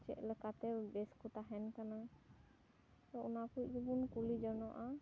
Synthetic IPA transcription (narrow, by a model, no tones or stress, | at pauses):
t͡ʃɛ̰ʔlɛkat̪ɛbɛskɔt̪aɦɛnkana | t̪ɔɔnakuubunkulid͡ʒɔnɔʔa